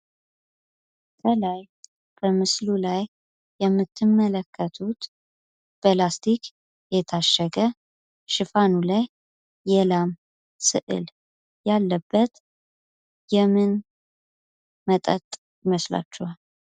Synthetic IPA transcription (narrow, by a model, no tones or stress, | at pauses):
t̪ʰəlaj | b̥əmɨslulajː | ɛmːɨt̪ʰːɨmːələkʰːət̪ʰut̪ | b̥əlast̪ʰikʰ | jɛt̪ʰaʃːəɡə | ʃɨfanulajː | ɛlam | sɨ̰ʔɨ̰l | jalːəbːət̪ | jɛmɨn | mət̪ʼət̪ʼ | jɪməsla̰t͡ʃːɛwal